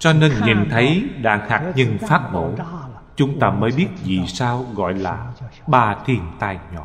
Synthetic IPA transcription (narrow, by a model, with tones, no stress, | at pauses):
t͡ɕɔ˧neː˧nɲi˨˩nt̪ʰə˨˦jɗa̰ː˧˥ŋhaː˨˩k̚ɲə˧ŋfaː˦˥t̚mo̰˧˩ | t͡ɕʊ˨˦ŋ͡mt̪aː˧məː˨˦jɓi˦˥ət̚zi˨˩saː˧wɣɔ̰˧˨jlaː˨˩ɓaː˧˩t̪ʰi˨˩ənt̪aː˧˩jɲɔ̰˧˦